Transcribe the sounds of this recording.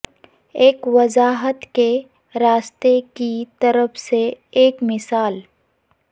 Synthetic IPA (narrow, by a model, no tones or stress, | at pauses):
eːkʋɐzaːɦət̪ke | ɾaːst̪ekit̪ɐɾəfʰseeːkmɪsaːl